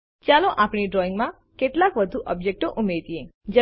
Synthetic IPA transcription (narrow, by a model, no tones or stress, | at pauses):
t͡ʃaloʔapɽiɖɾɔɪ̃ŋɡmã | keʈlakʋəd̪ʱuʔɔbd͡ʒek̚ʈoʔumet̪ied͡ʒə